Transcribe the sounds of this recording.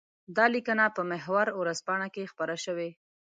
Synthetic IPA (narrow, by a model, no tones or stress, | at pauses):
d̪ɑlikənapəmɪɦwaɾwɾazpɑɳakexpaɾaʃəwe